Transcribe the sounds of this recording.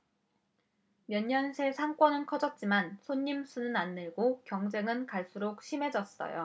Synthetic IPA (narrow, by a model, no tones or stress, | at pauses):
mjʌɲːʌnsʰe̞sʰaŋk͈wʌnɯnkʰʌd͡ʑʌt̚t͡ɕ͈imansʰoɲːimsʰunɯnanːɯɭɡokjʌŋd͡ʑe̞ŋɯnkaɭs͈uɾok̚ɕʰime̞d͡ʑʌs͈ʌ̰jo̰